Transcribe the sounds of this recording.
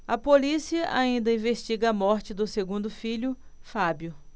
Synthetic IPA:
ɐpolisiɐʔa̰ĩnd̪ɐĩveʃt͡ʃiɡɐɐmɔɾt͡ʃɪd̪ʊseɡũnd̪ʊfiʎʊ | fabjʊ

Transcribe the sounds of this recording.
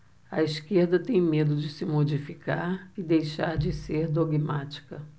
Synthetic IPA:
ɐiskeɾd̪ɐt̪ẽj̃med̪ʊd͡ʒɪsɪmod͡ʒifikaɾɪd̪ejʃaɾd͡ʒɪseɾd̪oɡmat͡ʃi̥kɐ

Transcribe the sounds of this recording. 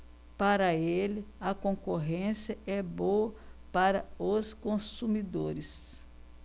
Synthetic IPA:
paɾɐelɪɐkõkoɦẽsjɐɛboɐpaɾɐoskõsumid̪oɾɪs

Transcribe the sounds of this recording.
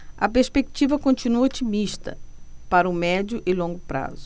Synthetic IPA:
ɐ̰peɾspekt͡ʃivɐkõnt͡ʃinuɐot͡ʃimiʃt̪ɐ̰paɾɐumɛd͡ʒjʊʔɪlõŋɡʊpɾa̰zʊ

